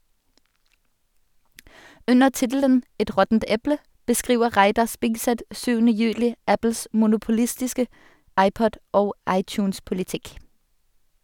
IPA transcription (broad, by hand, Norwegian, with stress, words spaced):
ˈʉnəʁ ˈtɪtl̩ən ˈɛt ˈʁɔtn̩t ˈɛplə bəˈskʁiːʋə ˈʁæɪdɑʁ ˈspɪɡsɛt ˈsyːʋənə ˈjʉːlɪ ˈæpl̩s mʊnʊpʊˈlɪstɪskə ˈɑɪˌpɔd ˈoːɡ ˈɑɪˌtjʉːnspʊlɪˌtɪk